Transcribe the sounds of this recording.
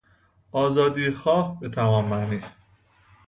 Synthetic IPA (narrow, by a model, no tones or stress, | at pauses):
ɒːzɒːd̪iːxɒːhbet̪ʰævɒːmːæniː